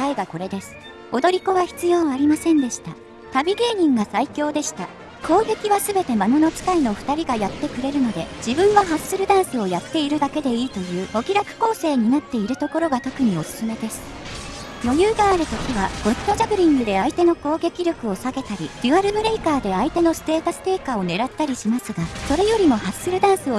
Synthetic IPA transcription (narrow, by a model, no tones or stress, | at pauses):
aiɡako̞ɾe̞d̪e̞sɨ̥ | o̞d̪o̞ɾʲiko̞βaçi̥t͡sɨjo̞ːβaːɾʲimasẽ̞nd̪e̞ɕi̥t̪a | t̪abʲiɡʲe̞ːɲ̟ĩŋɡasaikʲo̞ːd̪e̞ɕi̥t̪a | kʰo̞ːɡe̞kʲiβasɨbe̞t̪e̞mano̞no̞t͡ɕi̥kaino̞ɸɯ̥t̪aɾʲiɡajat̪ːe̞kɯ̟ɾe̞ɾɯ̟no̞d̪e̞d͡ʑibɯ̟̃ɰ̃βaɦasɨɾɯ̟d̪ãɰ̃sɨo̞jat̪ːe̞iɾɯ̟d̪ake̞d̪e̞iːt̪o̞jɯ̟ːo̞kʲiɾakɯ̟̥ko̞ːse̞ːɲ̟inat̪ːe̞iɾɯ̟t̪o̞ko̞ɾo̞ɡat̪o̞kɯ̟ɲ̟io̞sɨ̥sɨme̞d̪e̞sɨ̥ | jo̞jɯːɡaːɾɯ̟t̪o̞kʲiβaɡ̥o̞si̥t̪o̞ʑabɯ̟ɾʲĩŋɡɯ̟d̪e̞ait̪e̞no̞ko̞ːɡe̞kʲiɾʲo̞kɯ̟o̞saɡe̞t̪aɾʲiɾʲɯaɾɯ̟bɯ̟ɾe̞ikaːd̪e̞ait̪e̞no̞sɨ̥t̪e̞ːt̪asɨ̥t̪e̞ːkao̞ne̞ɾat̪ːaɾʲiɕimasɨɡaso̞ɾe̞jo̞ɾʲimo̞hasɨɾɯ̟d̪ãɰ̃sɨo